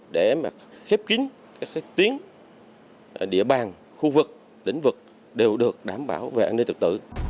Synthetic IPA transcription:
ɗe˧˩maː˨˩xɛ˦˥p̚kï˨˦ŋ̟ | kaː˦˥k̚ːt̪i˨˦ən | ɗḭ˧˥əɓaː˨˩n | xu˧vɨ˨˩k̚ | lï˧˩ŋ̟vɨ˨˩k̚ | ɗe˨˩wɗɨ˨˩ək̚ɗaː˧˩mɓa̰ː˧˩wve˨˩ʔaː˧ne˧nt̪ɨ˨˩k̚t̪ɨ̰˧˨

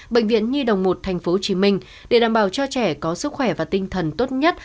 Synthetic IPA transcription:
ɓḛ˧˨ŋ̟vḭ˧˨ənɲɨ˧ɗə˨˩wŋ͡mmo˨˩t̚t̪ʰɛ˨˩jŋ̟fo˨˦˧t͡ɕi˨˦mï˧ŋ̟ | ɗe˧˩ɗaː˧˩mɓaː˧˩wt͡ɕɔ˧t͡ɕɛ˧˩kɔ˨˦sɨ˦˥k̚xwɛ˧˩vaː˨˩t̪ï˧ŋ̟t̪ʰə˨˩nt̪o˦˥t̚ɲə˦˥t̚

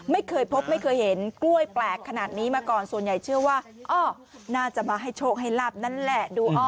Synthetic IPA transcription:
ma˥˩jkʰɤː˧jpʰo˦˥p̚ma˥˩jkʰɤː˧jhe˩˦nklu˥˩əjplɛː˨˩kʰːa˧naː˨˩t̪̚niː˦˥maː˧kɔː˨˩nsu˨˩ənja˨˩jt͡ɕʰɯ˥˩əwaː˥˩ʔɔː˧˩ | naː˥˩t͡ɕa˨˩maː˧ɦa˥˩jt͡ɕʰoː˥˩k̚ɦa˥˩jlaː˥˩p̚na˦˥nlɛ˨˩duː˧ʔɔː˧˩

